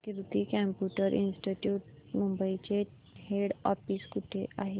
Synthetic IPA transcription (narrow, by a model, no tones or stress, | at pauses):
kiɾt̪ikɛmpjuʈəɾʔḭnsʈiʈjuːʈ | mumbəit͡ɕe | heɽɔfiskuʈʰeʔaɦe